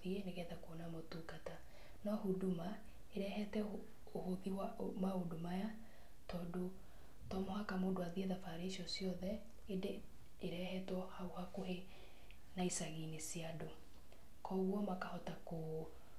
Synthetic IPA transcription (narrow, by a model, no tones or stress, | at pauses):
ieneɣɛtakuonamotukata | nɔhuduma | eɾɛɦɛtɛ | ohoðiwamaodomaja | tɔːdo | tɔmɔhakamoːdoaðieðafaɾeːsiɔsjɔðɛ | ede | eɾɛhɛtɔhaohakoɦe | naisaɣinesiado | kʰɔɣwɔmakahɔtako